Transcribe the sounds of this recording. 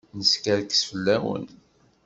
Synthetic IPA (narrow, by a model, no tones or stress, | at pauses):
nəskæɾksfəlːæwə̰n